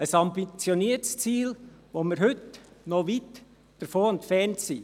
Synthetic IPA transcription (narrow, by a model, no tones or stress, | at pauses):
əsɑmbit͡sjoniətst͡siːlʋoməɾɦɵtnoʋit | d̥əɾfoːɛntfɛɾntsi